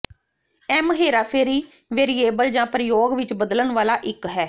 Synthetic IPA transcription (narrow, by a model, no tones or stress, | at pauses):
ɛːməɦeːɾaːpʰeːɾiː | ʋeːɾiːeːbəld͡ʒãːpɾəjoːɡʋɪt͡ʃbəd̪lənʋaːlaːʔɪkɦɛː